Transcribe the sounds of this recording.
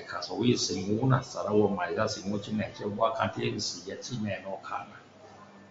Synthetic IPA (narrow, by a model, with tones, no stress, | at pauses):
kʰa˨sɔ˨wi˦si˨ŋu˦na˨sa˨ɾa˧wa˧ma˨i˨za˦˨si˧˨ŋu˦t͡ʃʰi˦nɛ˨t͡ʃʰɛ˦˧bwa˦kʰa̰˧nt̪ʰi˦e˦mi˧si˨ja˧t͡ʃʰi˦nɛ˧nɔ˧kʰa̰˧˨na˨